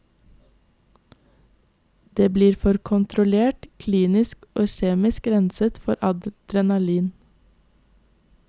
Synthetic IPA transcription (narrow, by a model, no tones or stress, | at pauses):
d̪̥eːbliːɾfɔɾkʰʊnt̪ʰɾʊleːʈkʰliːnɪskʔoːʃeːmɪskɾɛnsət̪fɔɾɑd̪d̪̥ɾɛnɑliːn